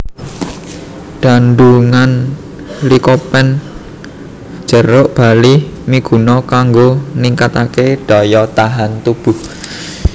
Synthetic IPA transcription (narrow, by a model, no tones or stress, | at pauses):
ɖ̥a̤nɖuŋan | likopɛn | d͡ʒ̥ə̤ɾʊʔb̥a̤limiɡ̥ṳnɔkaŋɡoniŋkat̪akeɖ̥a̤jɔt̪aɦant̪ub̥uh